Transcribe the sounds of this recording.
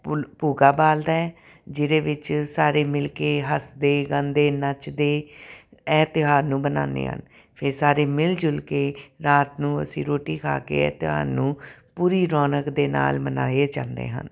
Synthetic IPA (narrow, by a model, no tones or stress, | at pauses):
ppuːɡaːbaːld̪aːɛː | d͡ʒɪɾeːʋɪt͡ʃsaːɾeːmɪlkeːɦəsd̪eːɡãːnd̪eːnət͡ʃd̪eː | ɛːt̪ɪɦaːsnũːbənã̰ːnd̪ḛːɦə̰n | pʰɪɾsaːɾeːmɪld͡ʒʊlkeːɾaːt̪nũːə̰sĩːɾoːʈiːkʰa̰ːkḛːɛ̰ːt̪ɪɦa̰ːsnũːpuːɾiːɾɔːnəkd̪eːna̰ːlməna̰ːeːt͡ʃã̰ːnd̪ḛːɦə̰n